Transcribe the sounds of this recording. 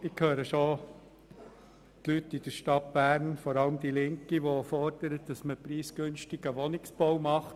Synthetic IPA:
ɪkʰhøːɾəʃo | t̪lytːid̥əɾʃtɑt̚b̥æːɾnfɔɾɑləmd̥ilɪŋkiʋofɔɾd̥əɾət̚d̥ɑsməpɾiːsɡ̥ʏnʃtɪɡəʋɔnɪksb̥ɔwmɑχt

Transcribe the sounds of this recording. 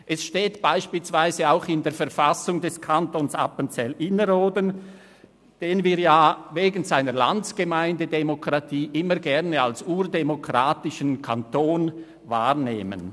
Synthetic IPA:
ʔɛsʃteːtb̥aɪʃpiːlsv̥aɪzəaʊxɪndeːɐfɛɐfasʊŋdɛskʰantonsapənt͡sɛlʔɪnəɾoːdən | d̥eːnviːɐjaːveːɡən̩zaɪnəʁla̰ntsɡ̥əmaɪndədemokʁ̥atʰiːʔɪməɾɡɛʁnəalsuːɾdemokʁ̥aːtɪʃənkʰantoːn | vaːʁnḛːmə̰n

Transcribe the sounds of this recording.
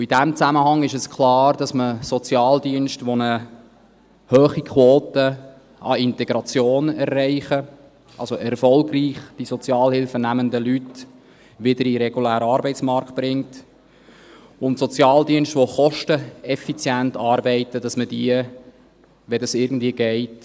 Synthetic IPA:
idæmt͡sæməhɑŋɪʃəskʰlɑːɾdɑsməsɔt͡sjɑːldiənʃtʋonə | høːχikʰwɔːtə | ɑɪntɛɡ̥ɾɑt͡sjoːnɛrːɛɪχə | ʔɑlzoʔɛrfɔlɡriːχd̥isɔt͡sjɑːlhɪlfənæməndəlyt | ʋɪdəɾiɾɛɡulæːɾəɑːɾbɛɪtsmɑɾkt̚b̥ɾɪŋt | ʊntsɔt͡sjɑːldiənstʋoχɔʃtəɛfit͡sjæntɑːɾbɛɪtəd̥ɑsmədiə | ʋɛdɑsɪɾɡn̩dviəɡɛɪt

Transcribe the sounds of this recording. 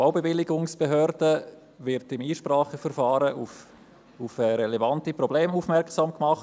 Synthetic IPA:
aʊbevɪlːɪɡʊŋsb̥eɦœːɾd̥ə | vɪɾtɪmiːʃpɾɑːχəfəɾfɑːɾəu | ufɛɾɛlɛvɑntiprɔbleːmufmɛɾksɑːmkmɑχ

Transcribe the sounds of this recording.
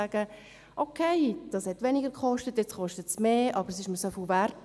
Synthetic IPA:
æɡ̥ə | ʔokʰeɪd̥ɑːshɛtʋɛnɪɡəɾkχɔʃtətjɛt͡sχɔʃtətsmeːʔɑbəɾsɪʃməsœfuvæɾt

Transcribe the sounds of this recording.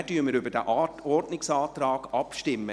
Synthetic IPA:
d̥yːməɾybədɛʔɔrdnɪksɑːt̪rɑːɡ̥ɑpʃtɪmːə

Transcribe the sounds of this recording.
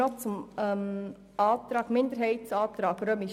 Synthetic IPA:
ɔt͡sʊmɛm | ɑːt̪ɾɑːkmɪnd̪əɾɦɛɪtt͡sɑːt̪ɾɑːɡɾøːmi

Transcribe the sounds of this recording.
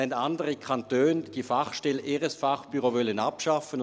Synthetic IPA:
ɛntandəʁikʰantøːnd̥iːfaχʃtɛleːʁəsfaχb̥yʁovœlənapʃafən

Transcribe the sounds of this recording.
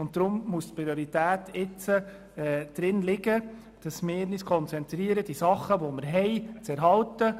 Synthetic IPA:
ʊntdɾʊmmustpɾioɾitæːtɪt͡sə | ɛd̪̥ɾɪnlɪɡə | d̥ɑsmeɪniskʰɔnt͡sɛnt̪ɾiːəɾəd̥isɑχːəʋɔməɾɦɛɪt͡sɛɾɦɑltə

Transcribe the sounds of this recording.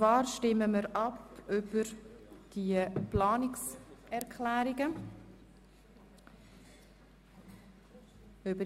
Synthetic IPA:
t͡svɑːɾʃtɪməməɾɑpʏb̥əɾd̥iəplɑːnɪksɛɾkʰlæːɾɪɡə | øbə

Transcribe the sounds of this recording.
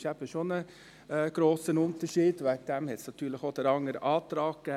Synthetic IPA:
ʃæːpəʃɔnə | ɡ̥ɾoːsənʊnt̪əʂiːd̪ʋæk̚d̪æmhɛt̪snɑt̪ʰyːɭəxɔt̪ɛɾɑŋəɾəʔɑːt̪ɾɑːkə

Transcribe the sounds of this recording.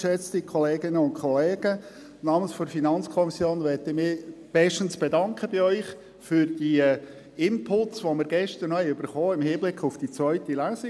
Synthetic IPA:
ʃɛt͡stikʰɔleːɡɪnəʊntkʰχɔleːɡ̥ə | nɑːmənsfɔɾfinɑnt͡skʰɔmɪsjoːnʋɛtɪmɪːb̥ɛʃtən̩sb̥edɑŋkχəb̥ɪœʏχ | fʏɾd̥i | ɪmpʰʊltsʋomɪɾɡɛʃtəɾnɔhɛɪʉb̥əɾχoːɪmhiːblɪkʰʊfd̥it͡svœʏtilæːsi

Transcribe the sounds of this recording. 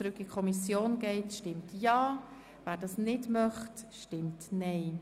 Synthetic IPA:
t͡sɾʉkːikʰɔmisjoːnɡ̥ɛɪtʃtɪmtjɑː | væːɾdɑːsnɪdmœχtʃtɪmtnɛɪ

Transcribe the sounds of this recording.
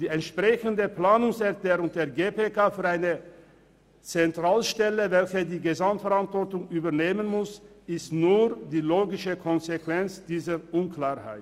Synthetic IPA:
d̥iːɛntʃpʁ̥ɛçəndəpl̥aːnʊŋsɛɐklɛːʁʊŋdeːɐɡeːpʰekaːfyːɐaɪnə | t͡sɛntʁ̥aːlʃtɛləvɛlçədiːɡəzamtfɛɐʁantv̥ɔʁtʊŋʔyːbɐneːmənmʊs | ɪstnuːdiːloːɡɪʃəkʰɔnzekv̥ɛnt͡sd̥iːzəʔʊnkl̥aːɐʁha̰ɪt

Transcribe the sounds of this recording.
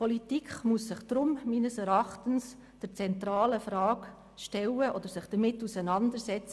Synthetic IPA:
pʰɔlitikχmuəssɪχd̥ɾʊmmiːnəsɛɾɑχtəns | d̥əɾt͡sɛnt̪ɾɑːləfɾɑːk | ʃtɛləʔɔd̪əɾsɪχd̥əɾmɪtːusənɑndəɾsɛt͡sə

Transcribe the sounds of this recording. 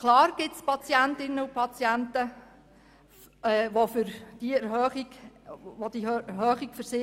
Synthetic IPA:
kʰlɑːɾɡ̥ɪtspɑt͡sjæntɪnːəupʰɑt͡sjæntə | ɛːʋofʏɾd̥iɛɾhœːχiɡ̥ʋod̥̪iøɦœːχiɡ̥fəɾsɪ

